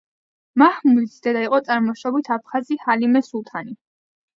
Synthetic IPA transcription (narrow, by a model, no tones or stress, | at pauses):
mahmulid̪sd̪ɛd̪aiqʼɔt̪sʼaɾmɔʃɔbit̪ʰapʰχazihalimɛsulˠt̪ʰani